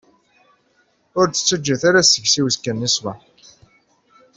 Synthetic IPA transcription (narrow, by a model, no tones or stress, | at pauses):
ʊɾt͡sːə̥t͡sːəd͡ʒːæθaɾasːəçsiwskːənːiswæ